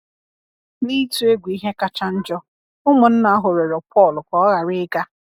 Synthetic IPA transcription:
li˦tu˦e˦ɡʷi˦ɦe˦ka˦t͡ʃa˦n̩˦d͡ʒɔ˦ | ʊ˦mʊ˨n̩˦na˨a˦ɦʊ˨ɾe˨ɾɔ˨pʰɔ˦˨lkʷɔ˦ɔ˦ɣa˨ɾɪ˦ka˦

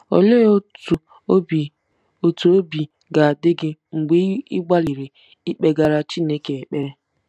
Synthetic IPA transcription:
o̰˨le˦o˦tu˨˦ | b | o˨tu˨o˦bi˨ | ɡa˨a˨dɪ˦ɡɪ˦ŋ̩˨ɡ͡be˦ɪ˦ɡ͡ba˦li˨ɾe˨ | i˦k͡pe˦ɡa˨ɾa˦t͡ʃi˦ne˦ke˨e˨k͡pe˦ɾe˦

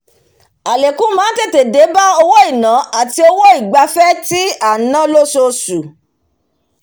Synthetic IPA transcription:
a˨le˨kũ˨˦mãː˨˦te˦˨te˨de˨˦ba˦o˧wo˦i˦˨nã˨˦a˦˨ti˧˦o˧wo˦i˦˨ɡ͡ba˧fɛ˦ti˦a˦˨nã˦lo˦so˧su˨

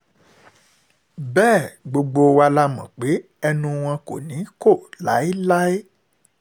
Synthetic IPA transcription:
bɛː˦˨ɡ͡bo˧ɡ͡bo˧wa˧la˧mã˨k͡pe˨˦ | ɛ˧nũ˧w̃ɔ̃˧ko̰˨nĩ˨˦ko˦˨la˨˦i˦la˦e˦

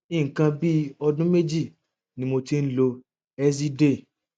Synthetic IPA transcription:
ĩ˦˨ŋ̩˨kã˧bi˦ɔ˧dũ˦me˦d͡ʒi˦˨ | nĩ˧mo˧ti˦n̩˦lo˧ | ɛ˦s̬i˦de˦˨

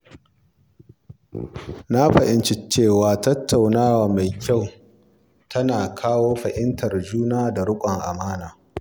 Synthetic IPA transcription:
na˦ɸɐ˨ʔɪ˦nt͡ʃɪ˦t͡ʃeː˦˨waː˨tɐ˦tʰːa˨wnaː˦waː˨ma˨jkʲa˦˨w | tʰɐ˦naː˨kʰaː˦woː˦ɸɐ˨ʔɪ˦ntɐ˨rd͡ʒuː˦naː˦da˨ɽʊ˦kʷʼɐ˨ŋʔa˨maː˦naː˨

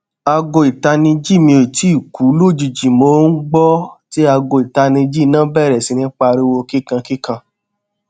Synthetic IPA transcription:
a˧ɡo˧i˨ta˧nĩ˧d͡ʒi˦˨mĩ˧o˨i˨ti˨˦i˦˨ku˨˦lo˦˨d͡ʒu˨d͡ʒi˨mo˧˦n̩˦ɡ͡bɔ˦ti˦a˧ɡo˧˨i˨ta˧nĩ˧d͡ʒi˦˨nãː˦bɛ˦˨ɾɛ˨si˧nĩ˧˦k͡pa˧ɾi˦wo˧ki˦kã˧ki˦kã˧

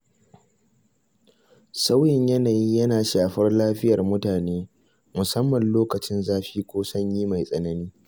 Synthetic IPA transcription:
sa˦wjɪ˦˨ɲjɐ˦naː˨jiː˦jɐ˦naː˨ʃaː˨ɸɐ˦rlaː˦ɸɪ˦jɐ˨rmʊ˦taː˨neː˦ | mʊ˨sɐ˦mːɐ˨nloː˦kɐ˨t͡ʃɪ˦nzaː˦ɸiː˦kʷoː˦sɐ˦ɲjiː˦ma˨jsʼɐ˦nɐ˦niː˦

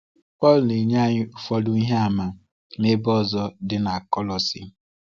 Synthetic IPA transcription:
pɔ˦˨lne˨ɲa˦˨ɲɪ˦ʊ˦˨fɔ˦dʊ˦i˦ɦe˦a˨ma˨ | ne˦bɔ˦˨zɔ˦dɪ˦na˨kɔ˦lɔ˨sḭ˨˦

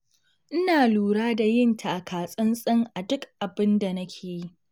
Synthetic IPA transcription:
ʔɪ˦naː˨luː˨ɾaː˦da˨jɪ˦ntʰa˨ʔa˨kʰaː˨sʼɪ˦nsʼɪ˦ŋʔa˨dʊ˦kʔa˨bɪ˦nda˨nɐ˦kʲʰeː˨ji˦ʔ

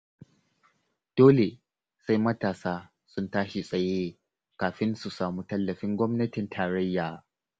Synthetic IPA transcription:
d̥oː˦le˨ | sa˦jmɐ˦taː˨saː˦ | sʊ˦ntaː˦ʃi˨sʼɐ˨jeː˦ | kaː˨ɸɪ˦nsu˨saː˨muː˦tɐ˦lːɐ˨ɸɪ˦ŋɡʷɔ˦mnɐ˦tɪ˨ntʰaː˨ɾɐ˦jːaː˨

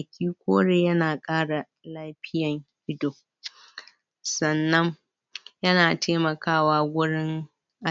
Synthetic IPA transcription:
ɐ˨kʲʰiː˦kʷoː˦ɽeː˨jɐ˦naː˨kʼaː˦ɽa˨ | laː˦ɸɪ˦jɐ˨ŋʔɪ˦doː˨ | sɐ˨nːɐ˦ŋ | jɐ˦naː˨tʰeː˦mɐ˨kaː˦˨waː˦wʷʊ˦ɽɪ˦ŋ | ʔa˨

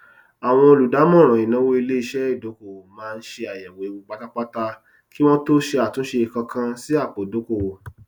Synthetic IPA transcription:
a˨w̃ɔ̃˧o˧lu˨da˨˦mɔ̃˦˨ɾ̃ã˨i˨nã˨˦wo˦i˧le˦i˦˧ʃɛ˦i˦˨do˨˦ko˦˨mãː˦˧n̩˦ʃe˧a˨jɛ˨we˨˦u˧ɡ͡ba˧˦ta˦k͡pa˦ta˦˧ | ki˦w̃ɔ̃˦to˦ʃe˧a˨tũ˨˦ʃe˧i˨kã˧kʰã˧si˦a˦˨k͡po˨do˨˦ko˦˨wo˨

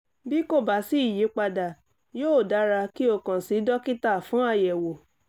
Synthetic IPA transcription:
bi˦ko˦˨ba˨˦si˦i˦˨je˨˦k͡pa˧da˨ | joː˦˨da˨˦ɾa˧ki˦o˦˨kã˨si˨˦dɔ˦ki˦ta˦˨fũ˨˦a˦˨jɛ˨wo˨

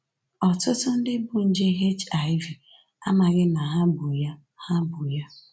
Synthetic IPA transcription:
ɔ˨tʊ˦tʊ˦n̩˦dɪ˦bʊ˨n̩˦d͡ʒe˦ɦe˦t͡ʃa˨ɪ˦vi˨ | a˦ma˨ɣɪ˦na˨ɦa˦bʊ˨ja˦ | ha˦bʊ˨ja˦

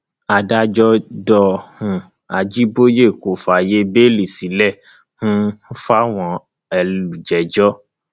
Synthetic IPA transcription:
a˧da˦d͡ʒɔ˦dɔ˧hũ˧ | a˧d͡ʒi˦bo˦je˦˨ko˨fa˨je˦be˦li˨si˨˦lɛ˦˨ | hũ˦fa˦w̃ɔ̃˧ | ɛ˧lu˨d͡ʒɛ˨d͡ʒɔ˦

